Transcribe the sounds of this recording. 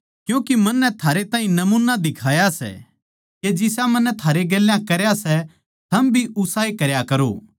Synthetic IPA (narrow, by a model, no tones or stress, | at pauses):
kjũːkimɐ̃nːɛt̪ʰaːɾet̪ãːɦĩnɐmuːnad̪ɪkʰaːjasɛ̰ | ked͡ʒɪsamɐ̃nːɛt̪ʰaːɾeɡeːlːjãkɐɾjasɛ | t̪ʰɐmbʱiʔʊsaːekɐɾjakɐɾo̰ː